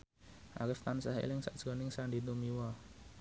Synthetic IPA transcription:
ʔa̰ɾɪft̪ansahḛlɪŋsa̰ʔd̥ʒ̥ɔnɪŋsandit̪umiwɔ

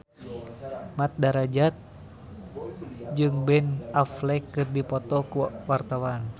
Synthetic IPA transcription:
mat̪̚daɾad͡ʒat̪̚ | d͡ʒɨŋbɛnaflɛkɨrdipɔt̪ɔkuwart̪awan

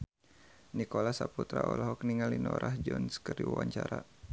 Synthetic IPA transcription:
nikɔlasaput̪ɾaɔlɔɦɔkniŋalinɔɾʔahd͡ʒɔnskəriwawaɲt͡ʃaɾa

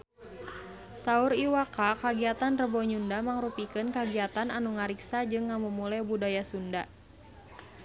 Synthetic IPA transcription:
sauɾiwakakaɡiat̪anrəbɔɲundamaŋɾupikɨnkaɡiat̪ananuŋaɾiksad͡ʒɨŋːamumulɛbudajasunda

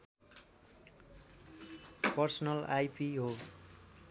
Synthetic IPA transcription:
pʌrsʌnʌlajpiɦo

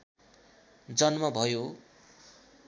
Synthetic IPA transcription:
d͡zʌnmʌbʱʌjo

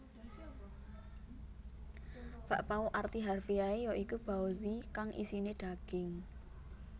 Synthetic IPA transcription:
b̥aʔpauʔart̪iɦarfiaejɔʔikub̥aozikaŋʔḭsineɖ̪̥a̤ɡ̥ɪŋ

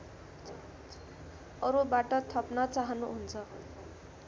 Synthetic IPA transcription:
ʌɾubaʈʌt̪ʰʌpnʌt͡saɦʌnuɦunt͡sʰʌ

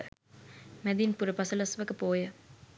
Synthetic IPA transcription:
mæd̪inpuɾəpɐsɐlɐsʋəkəpoːjə

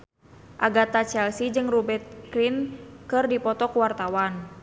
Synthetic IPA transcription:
ʔaɡat̪at͡ʃɛlsid͡ʒɨŋrubɛrt̪̚kɾinkɨrdipɔt̪ɔkuwart̪awan

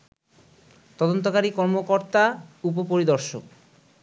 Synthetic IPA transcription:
t̪ɔd̪ont̪̬okaɾikɔɾmokoɾt̪aupopoɾid̪ɔɾʃok

